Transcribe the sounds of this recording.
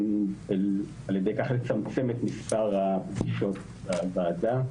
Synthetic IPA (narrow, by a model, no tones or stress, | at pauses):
el | aljed̪ejkaχle̞t͡samt͡se̞met̪mispaʁapɡiʃo̞t̪ | avaːda